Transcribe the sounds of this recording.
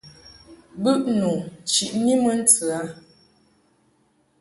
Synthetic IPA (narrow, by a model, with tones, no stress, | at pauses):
bʉ˦ʔnu˨t͡ʃi˨ʔni˦mə˦n̩˦t͡sə˨a˨˦